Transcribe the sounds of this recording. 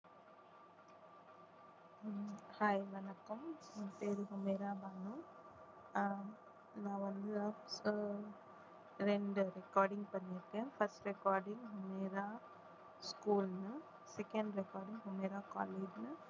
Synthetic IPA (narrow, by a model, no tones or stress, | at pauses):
hajʋɐnɐkːɐmpeːɾɯɦʊmeːɾaːbɐnʊ̃ | nãːʋɐnd̪ɯ | ɾɛɳɖɯɾɛkaːɾɖɪŋɡpɐɳːɪɾkːẽːfɐɾsʈɾɛkaːɾɖɪ̃ŋɡɦʊmeːɾaː | skuːlnɯ | sɛkɐɳɖɾɛkaːɾɖɪ̃ŋɡɦʊmeːɾaːka̰ːleːd͡ʒnɯ